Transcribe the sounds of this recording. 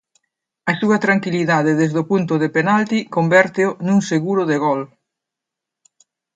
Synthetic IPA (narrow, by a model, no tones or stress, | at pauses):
ɐsuɐt̪ɾaŋkiliðað̞eðezðopunt̪ʊðepenalt̪ikombɛɾt̪eʊnuŋseɣuɾʊðeɣɔl